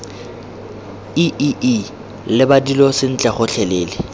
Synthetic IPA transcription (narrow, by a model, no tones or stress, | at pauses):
iʔiʔi | lɪbadilɔsɪn̩t͡ɬʼɛχʊɬʰɛleːlɪ